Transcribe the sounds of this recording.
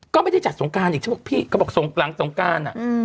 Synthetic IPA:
kɔː˥˩ma˥˩da˥˩jt͡ɕa˨˩t̪̚so˨˩˦ŋkaː˧nʔiː˨˩t͡ɕʰa˥p̚ʰːpʰiː˥˩kʰa˥˩bɔː˨˩k̚so˨˩˦ŋla˨˩˦ŋso˨˩˦ŋkaː˧nʔa̰˨˩

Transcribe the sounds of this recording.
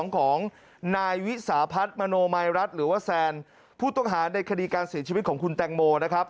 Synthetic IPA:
ŋkʰɔː˩˦ŋ | naː˧jwi˦˥saː˩˦pʰa˦˥t̪̚ma˧noː˧ma˧jɾa˦˥t̪̚ɾɯː˩˦waː˥˩sɛː˧n | pʰuː˥˩t̪ɔ˥˩ŋɦaː˩˦na˧jkʰa˧diː˧kaː˧nsi˩˦t͡ɕʰiː˧˦t̪̚kʰɔː˩˦ŋkʰu˧nt̪ɛː˧ŋmoː˧na˦˥kʰɾa˦˥p̚

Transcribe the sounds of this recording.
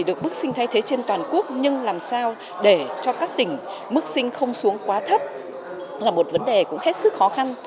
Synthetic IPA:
ɗɨ˨˩ək̚ɓɨ˦˥k̚sï˧ŋt̪ʰa˧jt̪ʰe˨˦t͡ɕe˧nt̪waː˨˩nku˦˥ək̚ɲɨ˧ŋlaː˨˩msaː˧w | ɗe˧˩t͡ɕɔ˧kaː˦˥k̚t̪ï˨˩ŋ̟ | mɨ˦˥ək̚sï˧ŋ̟xə˧wŋ͡msu˨˦əŋkwaː˨˦t̪ʰə˦˥t̚ | laː˨˩mo˨˩t̚və˨˦nɗe˨˩kʊ̰˧˥ŋ͡mhe˦˥t̚sɨ˦˥k̚xɔ˨˦xa˧n

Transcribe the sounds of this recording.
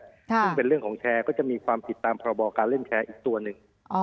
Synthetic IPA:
sɯ˥˩ŋpe˧nɾɯ˥˩əŋkʰɔː˩˦ŋt͡ɕʰɛː˧kɔː˥˩t͡ɕa˨˩miː˧kʰwaː˧mp̪i˨˩t̪ːaː˧mpʰɔː˧ɾa˧bɔː˧kaː˧nle˥˩nt͡ɕʰɛː˧ʔiː˨˩k̚t̪u˧ɐnɯ˨˩ŋ

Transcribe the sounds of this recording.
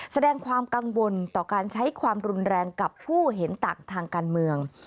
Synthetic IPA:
sa˧dɛː˧ŋkʰwaː˧mka˧ŋwo˧nt̪ɔː˨˩kaː˧nt͡ɕʰa˦˥jkʰwaː˧mɾu˧nɾɛː˧ŋka˨˩pʰːuː˥˩ɦe˩˦nt̪aː˨˩ŋt̪ʰaː˧ŋkaː˧nmɯ˧əŋ

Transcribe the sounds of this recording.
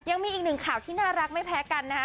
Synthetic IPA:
ja˧ŋmiː˧ʔ̚ːnɯ˨˩ŋkʰaː˨˩wt̪ʰiː˥˩naː˥˩ɾa˦˥k̚ma˥˩jpʰɛː˦˥ka˧nːa˦˥k

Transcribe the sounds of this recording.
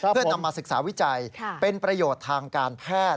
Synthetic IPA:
ɯ˥˩əna˧mːaː˧sɯ˨˩k̚sa̰ː˩˦wi˦˥t͡ɕa˧jʰpe˧npɾa˧joː˨˩t̪ʰːaː˧ŋkaː˧npʰɛː˥˩t

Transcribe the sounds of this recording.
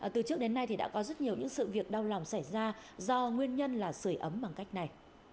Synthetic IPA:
t̪ɨ˨˩t͡ɕɨ˦˥ək̚ɗe˨˦nːa˧jt̪ʰi˨˩ɗa̰ː˧˥kɔ˨˦zə˦˥t̚ɲi˨˩əwɲɨ̰˧˥ŋsɨ̰˧˨vi˨˩ək̚ɗa˧wla˨˩wŋ͡msa˧˩jzaː˧zɔ˧ŋwi˧ənɲə˧nlaː˨˩sɨ˧˩əjʔə˨˦mɓa˨˩ŋka˦˥jk̟̚na˨˩j

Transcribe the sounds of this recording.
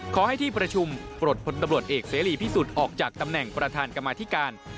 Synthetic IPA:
kʰɔː˩˦ha˥˩jt̪ʰiː˥˩pɾa˧t͡ɕʰu˧mpɾoː˨˩t̪̚pʰo˧nt̪a˧mɾu˨˩ət̪̚ʔeː˨˩k̚seː˩˦liː˨˩p̪ʰiː˥˩su˨˩t̪̚ʔɔː˨˩k̚t͡ɕaː˨˩k̚t̪a˧mnɛ˨˩ŋpɾa˧t̪ʰaː˧nka˧mːaː˧t̪ʰiː˦˥˩kaː˧n

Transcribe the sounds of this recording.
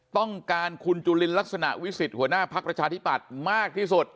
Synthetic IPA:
t̪ɔ˥˩ŋkaː˧nkʰu˧nt͡ɕuː˧li˧nla˦˥k̚sa˧na̰˨˩ʔwi˦˥si˨˩t̪̚hu˩˦ənaː˥˩pʰa˦˥k̚pɾa˧t͡ɕʰaː˧t̪ʰi˦˥pa˨˩t̪̚maː˥˩k̚t̪ʰiː˥˩su˨˩t̪̚

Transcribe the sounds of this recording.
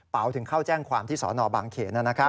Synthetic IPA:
pa˩˦wt̪ʰɯ˩˦ŋkʰaː˥˩wt͡ɕɛː˥˩ŋkʰwaː˧mt̪ʰiː˥˩sɔ̰ː˩˦nɔː˧baː˧ŋkʰeː˨˩t̪̚naː˥˩na˦˥kʰa˦˥

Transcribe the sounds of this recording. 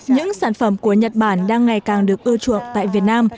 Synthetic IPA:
ɲɨ̰˧˥ŋsaː˧˩nfə˧˩mku˧˩əɲə˨˩t̚ɓaː˧˩nɗaː˧ŋːa˨˩jkaː˨˩ŋɗɨ˨˩ək̚ʔɨ˧t͡ɕṵ˧˨əŋt̪a̰ː˧˨jvi˨˩ət̚naː˧m

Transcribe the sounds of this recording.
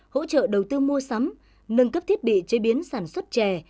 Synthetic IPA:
ho̰˧˥t͡ɕə̰ː˧˨ɗə˨˩wt̪ɨ˧mu˧əsa˨˦m | nɨ˧ŋkə˦˥pt̪ʰi˦˥ət̚ɓḭ˧˨t͡ɕə˨˦jɓi˨˦ənsaː˧˩nswə˦˥t̚t͡ɕɛ˧˩

